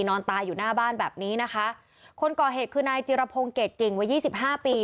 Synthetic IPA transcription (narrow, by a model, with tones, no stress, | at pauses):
nɔː˧nt̪aː˧juː˨˩naː˥˩baː˥˩nbɛː˨˩p̚niː˦˥na˦˥kʰa˦˥ʔ | kʰo˧nkɔː˨˩ɦeː˨˩kʰɯː˧naː˧jt͡ɕi˧ɾa˧pʰo˧ŋke˨˩t̪̚ki˨˩ŋwa˦˥jiː˥˩si˨˩p̚ɦaː˥˩piː˧